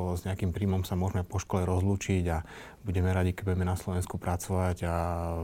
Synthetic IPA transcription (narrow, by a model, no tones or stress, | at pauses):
zɲɛakimpɾiːmɔmsamʊɔʒmɛpɔʃkɔlɛɾɔzluːt͡ʃiɟa | buɟɛmɛɾaɟikɛbuɟɛmɛnaslɔʋɛnskupɾat͡sɔʋaɟa